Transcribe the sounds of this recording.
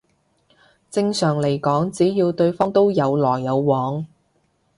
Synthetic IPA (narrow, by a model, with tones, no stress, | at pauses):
t͡sɪ˧ŋsœː˨˩ŋle˨˩jkɔː˨˥ŋt͡siː˨˥jiː˧wt̪ɵ˧ɥfɔː˥ŋt̪o˥wjɐ˨˧wlɔː˨˩jːɐ˨˧wwɔː˨˧ŋ